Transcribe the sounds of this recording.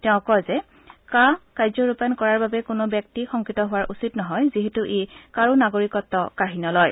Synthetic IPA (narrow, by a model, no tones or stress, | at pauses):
tɛʊ̃kɔjzɛ | kakajzɔɹupankɔɹaɹbabɛkʊnʊbjɛk̚tixɔŋkitɔɦʊwaɹʔusitnɔɦɔjziɦɛtuʔekaɹunaɡoɹikɔtːɔkaɦinɔlɔj